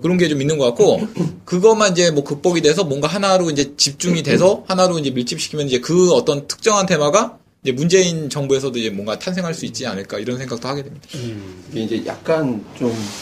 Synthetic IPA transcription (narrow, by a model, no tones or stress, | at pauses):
kɯɾʌnɡe̞t͡ɕominːɯnɡʌk͈atk͈okɯɡʌmanind͡ʑe̞mwʌkɯk̚p͈ʌɡideesʰʌmwʌŋɡaɦanaɾoind͡ʑe̞t͡ɕip̚t͡ɕ͈uŋide̞s̬ʰʌhanaɾoind͡ʑe̞miɭt͡ɕ͈ip̚ɕ͈ʰi̥kʰimjʌnid͡ʑekɯʌt͈ʌntʰɯ̥k̚t͡ɕ͈ʌŋɦantʰe̞mwaɡa | ind͡ʑe̞mund͡ʑe̞int͡ɕʌŋbue̞sʰʌdoid͡ʑe̞mwʌŋɡatʰansʰe̞ŋɦaɭs͈uit̚t͡ɕ͈ia̰nɯɭk͈aiɾʌnsʰeŋɡak̚t͈ohaɡe̞dwemɲid̥akɡeind͡ʑe̞ja̰k̚k͈ant͡ɕom